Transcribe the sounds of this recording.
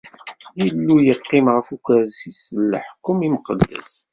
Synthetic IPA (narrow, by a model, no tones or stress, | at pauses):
jəlːujəqːimʁəfukæɾsisləħkːʊmiməqəd̪ːæ̰s